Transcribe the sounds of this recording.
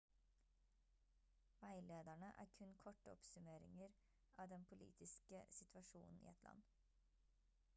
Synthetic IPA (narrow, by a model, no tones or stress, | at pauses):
ʋæɪleːd̪æɳəʔæ̰ːɾkʰʉnkʰɔʈːəɔ̰psʉmeːɾɪ̰ŋəɾ | ʔɑːʋd̪ɛnpʰʊlḭːt̪ʰɪskəsɪt̪ʰʋɑʃṵːnn̩ḭːɛt̪ʰlɑ̰n